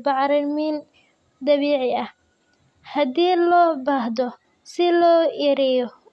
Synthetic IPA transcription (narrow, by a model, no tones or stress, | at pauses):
bɑʕɾɪmin | d̪ɐβɛːʕɪɐh | hɐd̪iːlɔːbahd̪ɔ | sɪlɔːʔiɾɪjɔ